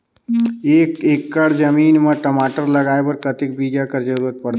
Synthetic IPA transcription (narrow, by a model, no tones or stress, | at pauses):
ekekːəɽd͡ʒəmiːnmeʈəmaːʈəɾləɡaebəɾkət̪ɪk̚bid͡ʒakəɾd͡ʒəɾuɾət̪̚pəɽt̪